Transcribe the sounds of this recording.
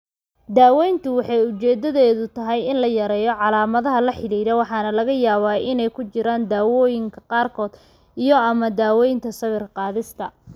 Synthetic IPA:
d̪aːwɛjnt̪ʰʊwɑħɑjʊt͡ʃɛːd̪ɐðɛːðʊt̪ʰɐɦɛjɪnlɐjɐɾɛːjɔʕɑlaːmɐðɐɦɐlɐħɪliːɾɛwɑħɑːnɐlɐɣɐjaːβaːɪnɛjkʰʊt͡ʃɪɾaːnd̪aːwɔːjɪŋkʰɐqɑːrkʰɔːd̪̥ | ʔijɔɐmɐd̪aːwɔːjnt̪ʰɐsɐβɪrqɑːðɪst̪ʰɐ

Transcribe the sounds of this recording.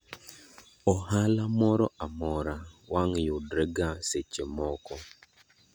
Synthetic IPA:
ɔhalamɔɾɔamɔɾawaŋjudɾɛɡaset͡ʃemɔkɔ

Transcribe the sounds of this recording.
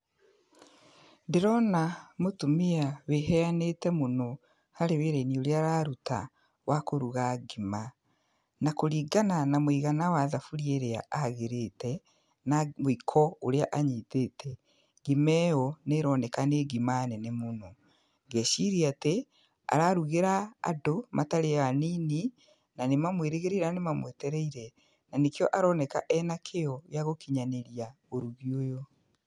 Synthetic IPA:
ndiɾɔnamotumiaβeɦɛanetɛmuno | haɾeβeɾenioɾeaɾaɾuta̰ | wʔakoɾuɣaɡima | nakoɾiːɡananamwiːɣanawaðafuɾjeɾea̰aɣeɾetɛ | namoikʰɔoɾeaʔaɲiːtetʰɛ | ɣimɛɔneɾɔnɛkaneɡimanɛnemonɔ | ɡɛʃiɾiate | a̰ɾaɾuɣeɾaa̰domʔataɾeaniːni | nanemamweɾeɣeɾeɾanemamwɛtɛɾɛiɾɛ | nanekeɔʔaɾɔnɛka̰ʔɛnakʰeɔjaɣokiɲaneɾia | oɾuɣiojɔ

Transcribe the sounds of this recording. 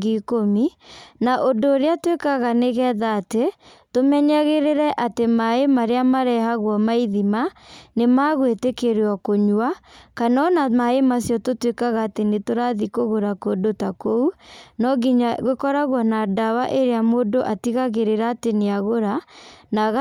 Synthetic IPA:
ikominaʔodoːɾeatwekaɣaneɣɛːðaːte | tomɛɲɛɣeɾeɾɛʔatemaemaɾeamaɾɛhaɣwɔmaiðimanemaɣwetekeɾeɔkoɲwakanɔnamaemasjɔtotwekaɣaːtenetoɾaðikoɣoɾakodotakounɔɡiɲaɣekɔɾaɣwɔnadawaʔeɾeamoːdoʔatiɣaɣeɾeɾaːteneaɣoɾanaɣa

